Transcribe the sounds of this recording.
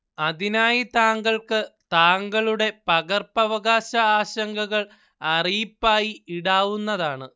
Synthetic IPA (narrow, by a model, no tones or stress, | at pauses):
ɐðinaːjit̪aːŋɡɐɭkɨt̪aːŋɡɐɭuɽe̞pɐɣɐrpɐʋɐɣaːɕɐaːɕɐŋɡɐɣɐɭ | ɐrijipːaːjiiɽaːʋunːɐðaːɳɨ